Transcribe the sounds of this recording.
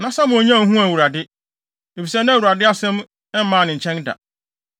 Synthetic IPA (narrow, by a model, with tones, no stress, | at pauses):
nã˨˦sa˦mʊ̃˨o˨ɲã˦˨˦ɦũ˦æ˨wu˨ɾa˨dɪ˦ | e˨fi˨sɛ˦nã˦˨wu˨ɾa˨dɪ˦a˦sɛ̃˦m | ɛ˦m̩˦mãː˦˨nɪ̃˨ɲ̩˨t͡ɕʰɛ̃˦nda̰˨